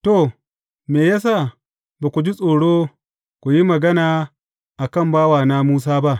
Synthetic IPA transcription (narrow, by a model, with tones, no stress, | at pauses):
to˦˨ | meː˨jaː˦s̬aː˦˨ | ba˨kʷu˨d͡ʒi˦sʼoː˨ɽoː˦ | kʷu˨ji˦mɐ˨ɡɐ˦naː˨ | ʔa˨kɐ˦˨mbaː˦waː˨naː˦muː˦s̬aː˦ba˦ʔ